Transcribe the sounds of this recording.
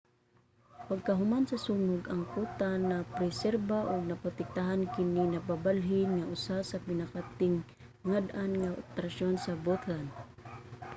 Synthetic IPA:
paɡ̚kaɦʊmansɐsuːŋʊɡʔɐŋkuːt̪anapɾɛsɛɾbaʔʊɡ̚nɐpʊt̪ɛk̚t̪aɦankɪninapabalɦɪnŋaʔʊsasapɪnakat̪ɪŋ | ŋad̪anŋaʔo̰t̪ɾaʃonsabot̪lan

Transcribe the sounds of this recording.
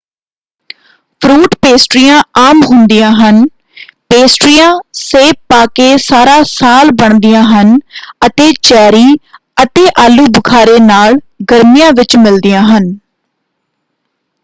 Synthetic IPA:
pʰɾuːʈpeːsʈɾijãːaːmɦʊnd̪ijãːɦən | peːsʈɾijãːseːpːaːkeːsaːɾaːsaːlbəɳd̪ɪjãːɦənət̪eːt͡ʃɛːɾiː | ət̪eːʔaːluːbəkʰaːɾeːnaːɭ | ɡəɾmijãːʋɪt͡ʃmɪld̪ɪjãːɦən

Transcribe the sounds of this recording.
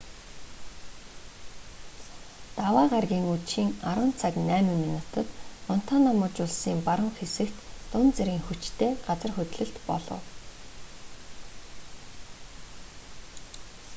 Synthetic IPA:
t̪awaːɢarɣʲiːŋut̪ʃiːŋaɾʊːn̥t͡sʰaknæːmiŋminut̪ʰɞ̆t̪ʊn̥t̪ʰaːnamʊ̆ːt͡ɕʊɮsiːmpaɾə̆ŋxesɘ̆kt̪ːʊnt͡seɾiːŋxut͡ɕt̪ʰeːɢ̥at͡sə̆rxɵt̪ʲɮɘ̆ɬt̪pɔɮɞ̰̆w

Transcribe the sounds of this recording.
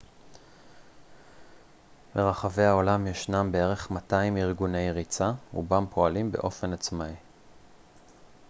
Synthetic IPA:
be̞ʁaχave̞jao̞lamjaʃnambe̞e̞ʁe̞χmataimiʁɡune̞jʁit͡saṵbampʰo̞alimbe̞̰ʔo̞fe̞nat͡smai

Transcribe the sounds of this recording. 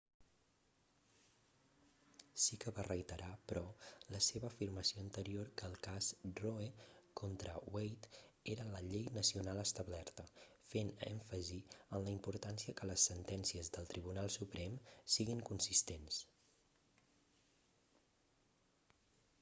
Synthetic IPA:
sikəβarəjt̪əɾapɾɔləseβəːfirməsioənt̪əɾiorkəːlˠkazroekʰont̪ɾəwejt̪eɾələʎejnəsiunalˠəst̪əβlɛɾt̪ə | fenɛ̰ɱfəziənləimpuɾt̪ansiəkələsːənt̪ɛnsiəzðəlˠt̪ɾiβ̞unalˠsupɾɛmsiɣiŋkunsist̪ens

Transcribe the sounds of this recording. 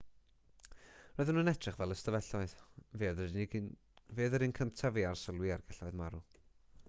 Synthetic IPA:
rɔːɨðənənɛtʰr̥ɛχvɛlˠəstəvɛɬɔɨðveːð | veːðəɾinkʰəmtʰaviarsəlˠwiarɡɛɬɔɨðmaɾu

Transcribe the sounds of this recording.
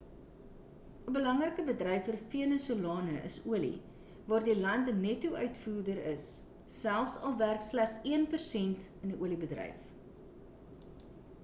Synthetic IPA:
əbəlɐŋrəkəbədrɛjfərfiənəsuəlɑːnəʔəsuəlḭ | vɑːrdilɐntnɛtːuœɥtfuːrdəɾəsː | ælˠfsɐlˠværkslæχsiənpərsɛntəndiʔuəlibədrɛ̰jf

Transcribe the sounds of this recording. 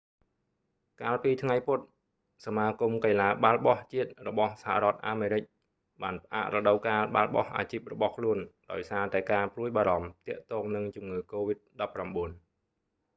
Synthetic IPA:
kaːlpiːt̪ʰŋajpʊt̪̚ | samaːkumkəjlaːɓalɓɑht͡ɕiət̪̚rɔɓɑhsaha̰rɔ̆ət̪̚ʔaːmeːɾɨc̚ | ɓaːnpə̆ʔa̰ːʔrɔɗəwkaːlɓa̰lɓɑ̰hʔa̰ːt͡ɕiːp̚rɔɓɑhkʰluənɗaɔjsaːt̪aɛkaːpruəjɓaːɾɑmt̪ɛ̆əʔt̪ɔːŋnɨŋt͡ɕumŋɨːkoːʋit̪̚ɗɑpːramɓuən

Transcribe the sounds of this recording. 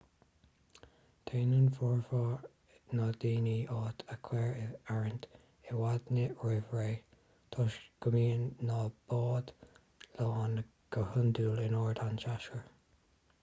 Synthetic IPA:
t̪ʰeːnunfɔɹfɑː | nɑːd̪iːniːʔɑːt̪ʰəkʰwɛːɹɪaɹənt | ɪwad̪nəɹɪvɹeː | t̪ʰɔʃɡ̥əmiːnːɑːb̥ɑːd̪̥ | lɑːn | ɡ̥əhʊnd̪uːlɪnɔːɹd̪anʃaʃkəɹ

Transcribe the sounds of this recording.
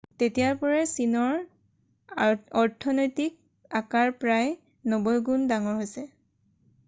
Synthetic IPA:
tetijaɹpɔɹɛsinɔɹ | ɔɹtʰɔnojtik̚ | akaɹpɹaj | nɔbɔjɡundaŋɔɹɦojsɛ

